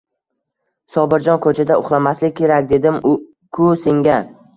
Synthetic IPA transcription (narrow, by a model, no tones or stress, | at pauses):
sɒbɪɾd͡ʒɒnkʰɵt͡ʃʰad̪aʊχlˠamaslɪkʲʰːe̞ɾakʲd̪e̞d̪ɪm | kʰʊsɪŋɡʲa